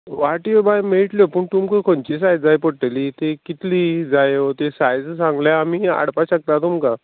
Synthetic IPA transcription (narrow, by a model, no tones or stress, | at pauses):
ʋaʈiobajmeɭʈljopəːɳt̪umkəkʰoɳt͡ɕisajd͡zd͡zajpoɽʈelit̪ekit̪ʰliːd͡zajot̪esajd͡zsãŋɡljaːmia̰ɽpaɕək̚t̪at̪umka